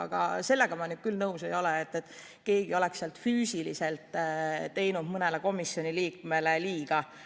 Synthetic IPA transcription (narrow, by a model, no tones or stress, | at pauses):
ɑ̰ɡ̥ɑ̰se̞lːe̞ɡ̥ɑmɑnyɡ̥̪̚kylnɤuse̞jo̞leet̪ːet̪ | ke̞ːɡ̥io̞le̞ksːeɑlt̪ˑfyːsilḭse̞lt̪ːˑt̪ːe̞jnud̪̥mɤneleko̞misːjo̞nʲiliːkme̞leliːɡ̥ɑ